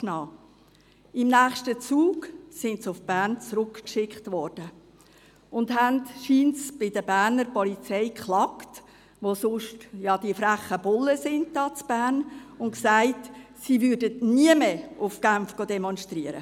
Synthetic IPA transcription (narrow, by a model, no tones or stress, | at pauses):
knɑː | ɪmnæːχʃtət͡suːɡsɪntsʊfb̥æːɾnt͡sɾʊkkʃɪkχtvɔɾd̥ə | ʊndɦæntʃiːntsb̥ɪdəbæːɾnəɾpɔlit͡sɛɪkχlɑkt | ʋosʊʃtjɑd̥iəfɾæχəb̥ʊlːəsɪnd̚dɑːt͡sb̥æːrnʊnksaɪtsivʏɾdətniəmeʔʊfɡ̥æmfɡ̥oːdɛmɔnʃtɾiəɾə̰